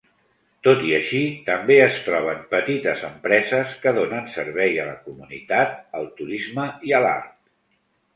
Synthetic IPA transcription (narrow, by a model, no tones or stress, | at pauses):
t̪ot̪iəʃit̪əmbeəst̪ɾɔβ̞əmpət̪it̪əzəmpɾɛzəskəðonənsəɾβɛjələ̰kumunḭt̪at̪̚əlˠt̪uɾizməiəla̰ɾt̪